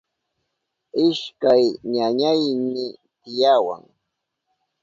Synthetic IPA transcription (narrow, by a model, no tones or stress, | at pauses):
ɪʃkajɲaɲajmɪt̪ɪjawa̰ŋ